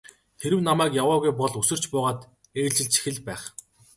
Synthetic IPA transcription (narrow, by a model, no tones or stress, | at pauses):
t̪ʰeɾɘ̆wnamæːkjawaːɣujpɔɮusɵ̆r̥t͡ɕpʊːʁaːt̪ | eːɮt͡ɕɪ̆ɮt͡ɕʰi̥xɘ̆ɮpæːχ